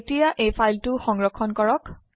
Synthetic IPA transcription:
tijaʔejpʰajltuxɔŋɹɔkʰːɔnkɔɹɔk

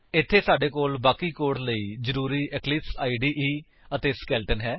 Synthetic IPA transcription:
ɪt̪ʰːeːsaːɖeːkoːlbaːkiːkoːɽləiːzəɾuːɾiːʔɛklɪpsaːiɖiːʔiː | ət̪eːskɛːlʈənɦɛː

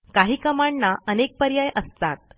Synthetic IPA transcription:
kaɦiːkəmaɳnːaʔənek̚pəɾjajʔəst̪at̪̚

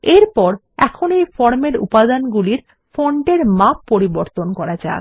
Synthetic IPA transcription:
eɾpɔɾ | ɛkʰonejfɔɾmeɾṵpad̪anɡuliɾ | foɳʈeɾmapːoɾiboɾt̪onkɔɾad͡ʑa̰

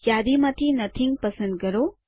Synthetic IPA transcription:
jad̪imɐt̪ʰinɐt̪ʰiŋ̚pɐsənd̪̚ɡəɾo

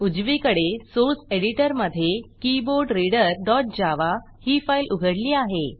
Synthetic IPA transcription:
ud͡ʑʋikəɽesoɾseɽiʈəɾməd̪ʱːjekiboɾɖɾiɽəɾɖɔʈ̚d͡ʑaʋa | hiːfailʔuɡʱəɽliːaɦe

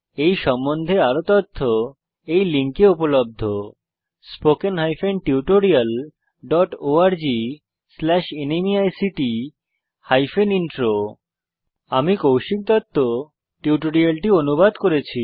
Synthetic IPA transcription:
ejʃɔmːond̪ʱeaɾot̪ɔt̪ʰːo | ejliŋkeupolob̚d̪ʱo | spokenɦajfenʈiuʈoɾial | ɖɔʈoaɾd͡ʑi | slɛʃenemiajsiʈi | hajfeninʈɾo | amikowʃik̚t̪ɔt̪ʰːo | ʈiuʈoɾialʈionubad̪koɾet͡ɕʰi

